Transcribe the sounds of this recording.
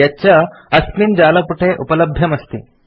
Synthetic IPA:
jat͡ɕaɐspiːnd͡ʑalɐpuʈʰeʔupələbʱjɐmɐst̪ḭː

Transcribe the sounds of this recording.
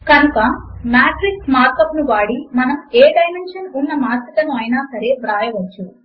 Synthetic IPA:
kɐnukɐmjaːʈɾiksmaːɾkɐpnuʋaːɽimɐnɐmeːɖɐjmenʂɐnunːɐmaːsikɐnuɐjnaːsɐɾe̞ːbɾaːjɐʋɐt͡ʃːu

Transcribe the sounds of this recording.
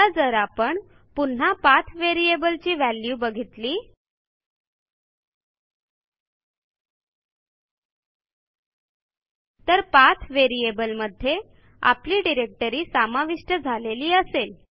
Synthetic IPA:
ad͡zəɾapəɳ | pun̤apat̪ʰʋeɾiebəlt͡ɕiːʋæljubəɡʱit̪liː | t̪əɾpat̪ʰʋeɾiebəlməd̪ʱːje | a̰pliːɖiɾek̚ʈəɾiːsamaʋiʂʈəd͡zʱaleliːəsel

